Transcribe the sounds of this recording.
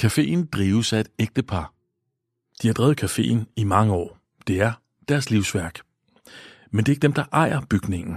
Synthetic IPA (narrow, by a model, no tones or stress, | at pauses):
kʰæfe̝̰ːnd̥ʁiːʊsæe̝d̥eɡ̥̚d̥əpʰɑ̈ | d̥ihɑ̈d̥ʁɛːʊð̩ˠkʰæfe̝̰ːn̩imɑ̈ŋəɒ̰ː | d̥e̝æɐ | d̥æɐsliʊsʋæɐɡ̥ | mend̥e̝e̝ɡ̥əd̥emd̥ɑ̈ʔɑ̈ɪ̰ɐb̥yɡ̥ne̝ŋn̩